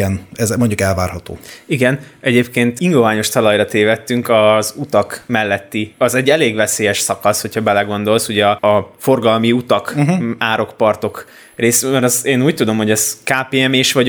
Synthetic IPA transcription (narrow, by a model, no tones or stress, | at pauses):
ɛnɛzmo̞ɲɟukɛlvaːrhɒt̪o̰ːiɡɛnɛɟeːpkeːnt̪iŋɡovaːɲo̞ʃt̪ɒlɒjrɒt̪eːvɛt̪ːyŋkɒzut̪ɒkmɛlːɛt̪ːiɒzɛɟːɛleːɡʋɛseːjɛʃsɒkɒsho̞chɒbɛlɛɡo̞nd̪o̞lsuɟɛɒfo̞rɡɒlmiut̪ɒkaːɾo̞kpɒrt̪o̞k | reːsymɛɾɒzeːnuːc̚t̪ud̪o̞mho̞ɟɛzkaːpeːɛmeːʃʋɒ